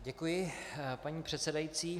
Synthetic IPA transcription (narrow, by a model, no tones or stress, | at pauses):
ɟɛkujɪpaɲiːpr̥ɛt̪sɛdajit͡siː